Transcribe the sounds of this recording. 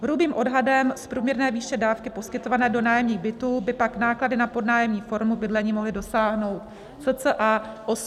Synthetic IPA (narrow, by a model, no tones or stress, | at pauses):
ɦɾubiːmʔo̞dɦadɛmspɾuːmɲɛɾnɛːviːʃɛdaːfkɪpo̞skɪt̪o̞vanɛːdo̞naːjɛmɲiːɣbɪt̪uːbɪpaknaːkladɪnapo̞dnaːjɛmɲiːfo̞ɾmubɪdlɛɲiːmoɦlɪdo̞saːɦno̞wt̪ | sət͡səʔaːʔo